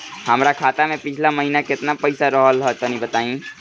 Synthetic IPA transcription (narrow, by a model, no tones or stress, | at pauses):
həmɾakʰaːt̪amẽpɪt͡ʃʰlaməɦinakɪt̪napəɪsaɾəɦəlɦɔt̪ɔnibət̪aːĩ